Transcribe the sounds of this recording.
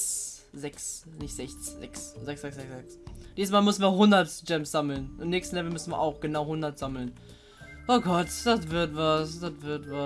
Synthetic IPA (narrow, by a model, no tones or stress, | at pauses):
s | zɛks | nɪçtz̥ɛçt͡szɛkszɛksz̥ɛksz̥ɛksɛksd̥iːsəsmaːlmʏsn̩viːɐɦʊndɐtd͡ʒɛmsz̥aml̩nʔɪmnɛːkstn̩lɛvl̩mʏsn̩viːɐʔaʊxɡ̥ənaʊhʊndɐtz̥aml̩n | ʔoɡɔtd̥atv̥ɪɐtvasd̥atv̥ɪɐtva